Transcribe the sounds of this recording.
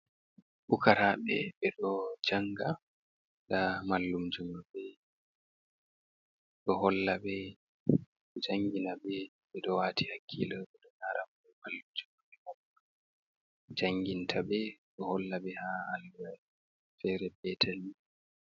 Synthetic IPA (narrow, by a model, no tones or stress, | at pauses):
ɓukaɾaɓɛ̰ɓɛɗɔd͡ʒaŋɡa | damalːumd͡ʒumɔbɛ | ɗɔhɔlːabɛ | d͡ʒaŋɡinabɛ | ɓɛɗɔwaːtihakʰːḭlabɛɗɔnaɾʔamɔmalːumd͡ʒumɡɔɓɛmɔba | d͡ʒaŋɡintʰabɛɗɔhɔlːaɓɛhaalɛ | fɛɾɛbɛtʰanːi